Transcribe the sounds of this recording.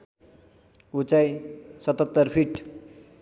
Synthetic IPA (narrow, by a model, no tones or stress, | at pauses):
ut͡sajsʌt̪ʌt̪ːʌrpʰiʈ